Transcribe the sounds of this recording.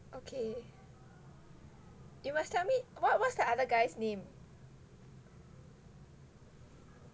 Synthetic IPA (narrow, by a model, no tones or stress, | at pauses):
ʔokʰe | jumastʰɛlmiwɔt̚wɔsdəaðəɡaɪsnẽm